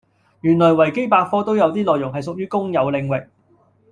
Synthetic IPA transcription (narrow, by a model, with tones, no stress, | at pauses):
jyː˨˩nlɔː˨˩jwɐ˨˩jke˥jpaː˧k̚fɔː˥t̪o˥wjɐ˨˧wt̪iː˥lɔː˨jʊ˨˩ŋɦɐ˨jsʊ˨k̚jyː˥kʊ˥ŋjɐ˨˧wlɪ˨˧ŋwɪ˨k̚